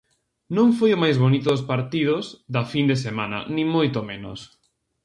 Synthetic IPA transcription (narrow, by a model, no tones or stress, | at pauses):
nõŋfojʊmajzβonit̪ʊðʊspaɾt̪ið̞ʊzðɐfind̪esemanɐ̰nĩŋmojt̪omẽno̰s